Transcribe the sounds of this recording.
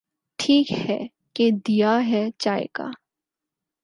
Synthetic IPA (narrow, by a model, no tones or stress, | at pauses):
ʈʰiːkhɛ | ked̪ijaɦɛt͡ʃaːḛka̰ː